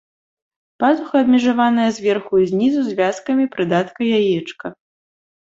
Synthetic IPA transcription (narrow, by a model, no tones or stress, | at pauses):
pazuxɐɐbmʲɛʐavanɐjɐzʲvʲɛrxuizʲnʲizuzʲvʲaskɐmʲipɾɨd̪at̪kɐjajɛt͡ʂkɐ